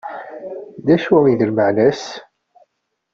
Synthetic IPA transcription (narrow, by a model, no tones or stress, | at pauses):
ðæʃæiðəlməʕnæs